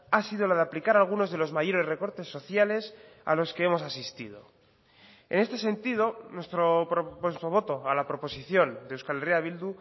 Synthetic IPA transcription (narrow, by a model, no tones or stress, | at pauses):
asið̞o̞laðeaplikaɾalɣ̞uno̞zðe̞lo̞zmaʝoɾe̞sre̞ko̞ɾt̪e̞sːo̞θjale̞sa̰lo̞ske̞emo̞sasist̪ið̞o̞̰ | e̞̰nest̪e̞se̞nt̪ið̞o̞nwe̞st̪ɾooost̪oβ̞o̞t̪o̞alapɾo̞po̞siθjo̞nd̪ewskaleriaβild̪u